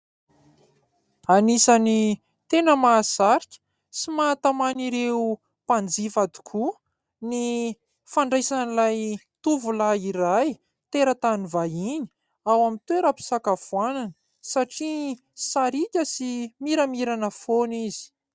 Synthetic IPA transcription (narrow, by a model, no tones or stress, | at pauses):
anisani | t̪enəmaːzaɾikʲə̥ | simat̪amaniɾeu | pand͡zifad̪u̥kʰu | ni | faɳɖ͡ʐajsanilaj | t̪uvulaiɾaj | t̪eɾət̪anivaini̥ | awamint̪weɾəpi̥sakavuananə | saʈ͡ʂi | saɾikʲəsimiɾəmiɾanəfonizi̥